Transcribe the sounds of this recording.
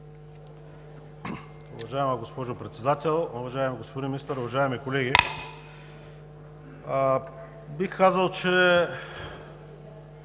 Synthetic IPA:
ʊvɐʒaɛməɡospɔʒopɾɛt̪sɛd̪at̪ɛlˠʊvɐʒaɛmiɡospod̪inmɪnist̪əɾʊvɐʒaɛmikolɛɡʲi | bixkazəlˠt͡ʃɛ

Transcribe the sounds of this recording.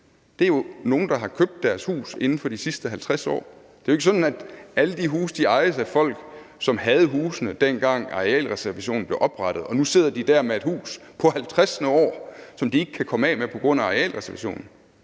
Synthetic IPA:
d̥e̝ɐjo̝no̝ːn̩d̥ɑ̈ɦɑ̈kʰøb̥̚d̥ːæɐshṵːse̝nn̩fɒ̽d̥isisd̥əɦælt͡sʰʁasɒ̰ː | d̥e̝joeɡ̥əsɒ̽dn̩æd̥æləd̥iɦuːsd̥iɑ̈ɪəsæfɒ̽l̰ɡ̥sɒ̽mɦæð̞ˠɦuːsnəd̥enɡ̥ɑ̈ŋ̰ɛ̰ːlʁɛsæɐʋæɕo̝̰ːn̩b̥le̝ʊʔɒ̽b̥ʁɑ̈ɾ̥ð̞̩ˠɒ̽nuse̝ð̞̰ˠɐd̥id̥æɐmee̝d̥hṵːs | pʰɒ̽hælt͡sʰʁasənəɒ̰ːsɒ̽md̥ie̝ɡ̥ə̥kʰːækʰɒ̽məɛ̰ːmepʰɒ̽ɡ̥ʁɔ̽n̰æʁɛɛ̰ːlʁɛsɐʋæɕo̝̰ːnn̩

